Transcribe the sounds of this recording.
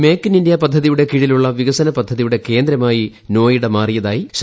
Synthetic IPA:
me̞ːkːinindjapɐd̪ʱːɐðijuɽe̞kiɻiluɭːɐʋiɣɐsɐnɐpɐd̪ʱːɐðijuɽe̞ke̞ːnd̪ɾɐmaːji | no̞ːjiɽemaːrijɐðaːjiɕ

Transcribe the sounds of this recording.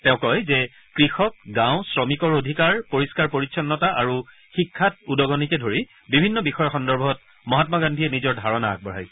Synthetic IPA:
tɛʊ̃kɔjzɛ | kɹixɔk̚ɡãw̃sɹɔmikɔɹodʱikaɹpoɹiskaɹpoɹitsʰɔnːɔtaʔaɹu | xikʰːat̚udɔɡɔnikɛdʱoɹi | bibʱinːɔbixɔjɔxɔndɔɹbʱɔt̚ | mɔɦatmaɡandʱiɛnizɔɹdʱaɹɔna̰ːk̚bɔɹa̰j

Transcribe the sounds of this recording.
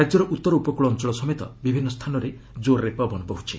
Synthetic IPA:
ɾad͡ʒjɔɾɔʔut̪ːɔɾɔupɔkuɭɔnt͡ʃɔɭɔsɔmet̪ɔ̰bibʱinːɔst̪ʰanɔɾe | d͡ʒoɾːepɔbʱɔnɔpɔɦut͡ʃʰi

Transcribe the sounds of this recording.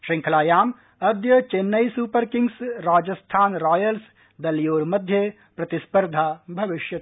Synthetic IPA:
ʃɾɪ̃ŋkʰlaːjaːm | ɐd̪jət͡ʃenːɐjsuːpəɾkɪŋɡsɾaːd͡ʒɐst̪ʰaːnɾaːjəls | d̪ɐlijoːɾmɐd̪ʱje | pɾɐt̪ɪspəɾd̪ʱaːbʱɐʋɪʃjɐt̪

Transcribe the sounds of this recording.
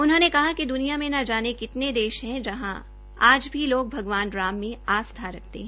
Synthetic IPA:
ʊnɦõnekɐɦakid̪ʊnijamẽnad͡ʒaːnekɪt̪ned̪eːʃɦɛ̃d͡ʒɐɦã̰ | aːd͡ʒbʱiloːɡ̚bʱɐɡʋaːnɾaːmːẽaːst̪ʰaɾɐk̚ʰt̪ḛɦɛ̃ː

